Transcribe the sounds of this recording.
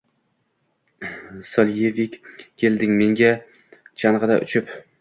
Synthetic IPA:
sɒljevɪkʲkʲʰːe̞ld̪ɪŋme̞ŋɡʲa | t͡ʃʰanʁɨd̪a̰ʔʊ̰t͡ʃʰɪp

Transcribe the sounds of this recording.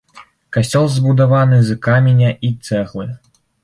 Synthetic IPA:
kasʲt͡sʲɔlˠzbud̪avanɨzɨkamʲinʲɐʔit̪sɛɣlˠɨ

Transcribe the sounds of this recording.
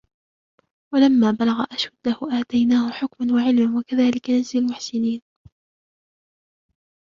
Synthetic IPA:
walamːaːbalaɣaʔaʃad̪ːahʊʔaːt̪ajnaːhʊħʊkmanwaʕɪlmanwakaðaːlɪkanazalmʊħsɪniːn

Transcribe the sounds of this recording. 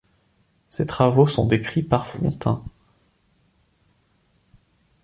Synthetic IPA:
set̪χavosɔ̃d̪ekχipaʁfɔ̰̃t̪ʰɛ̰̃

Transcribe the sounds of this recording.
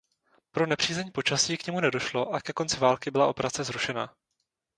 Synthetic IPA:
pɾo̞nɛpr̝̥iːzɛɲːpo̞t͡ʃasiːkɲɛmunɛdo̞ʃlo̞ʔakɛko̞nt͡sɪvaːlkɪbɪlaʔo̞pɛɾat͡sɛzɾuʃɛna̰ː

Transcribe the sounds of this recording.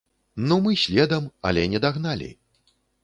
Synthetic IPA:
numɨsʲlʲɛd̪ɐmɐ̰lʲɛnʲɛd̪aɣnalʲḭ

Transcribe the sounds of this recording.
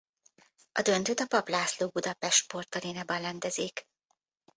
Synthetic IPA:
ʔɒd̪ø̞nt̪øːt̪ɒpɒplaːsloːbud̪ɒpɛʃt̪po̞rt̪ɒleːnaːbɒnlɛnd̪ɛziːk

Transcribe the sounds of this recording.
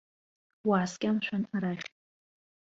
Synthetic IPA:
waːskʲʼamʃʷᶣanaɾaχʲʼ

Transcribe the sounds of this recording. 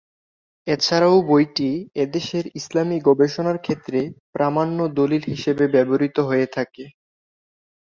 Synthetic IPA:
et͡ɕʰaɾawbojʈied̪eʃeɾislamiɡɔbeʃonaɾkʰet̪ːɾepɾamanːod̪olilɦiʃebebɛboɾit̪oɦoet̪ʰake

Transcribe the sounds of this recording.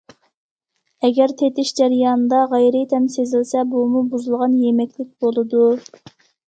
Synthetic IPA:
ɛɡʲɛɾt̪ʰet̪ɪʃd͡ʒæɾjɑːnɨd̪ɑʁɛjɾɪt̪ʰɛmsezɪlsɛbumubuzulˠʁɑnjemɛkʲlɪk̚ʲb̥olˠɨd̪u

